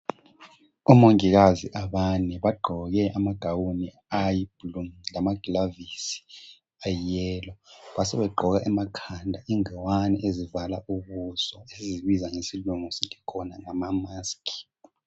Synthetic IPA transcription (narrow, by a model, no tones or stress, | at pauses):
umoŋik̬aziʔaɓanɛɓaɡ͡ǃʱɔk̬ɛʔamaɡ̥ʱawuni | ajblumlamaɡ̥ʱilavisi̥ | ajɛːlɔɓasɛɓɛɡ͡ǃʱɔk̬aʔɛmakʰandʱaʔiŋɛwanɛ̰ʔezivalauɓusɔesiziɓizaŋesiluŋusiŋikʰɔnaŋamamaːskʰʼi̥